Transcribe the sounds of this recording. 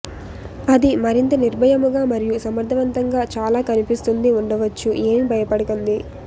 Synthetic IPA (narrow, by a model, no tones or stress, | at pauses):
ɐd̪imɐɾint̪ɐniɾbʱɐjɐmuɡaːmɐɾijusɐmɐɾd̪ʱɐʋɐnt̪ɐŋɡaːt͡ʃaːlaːkɐnipist̪und̪iuɳɖɐʋɐt͡ʃːuʔe̞ːmibʱɐjɐpɐɽɐkond̪i